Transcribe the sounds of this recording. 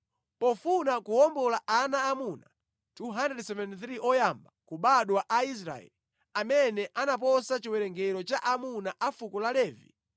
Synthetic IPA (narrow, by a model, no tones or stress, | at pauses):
pɔfunakuɔmbɔlaʔanaːmuna̰ | tuɦandɛdsɛvɛnθɾiʔɔjambakuɓaɗwaʔais̬ɾa̰ɛ̰li | amɛnɛʔanap̬ɔsat͡ʃiwɛɾɛŋɡɛɾɔt͡ʃaʔamunaʔafukɔlalɛːvḭ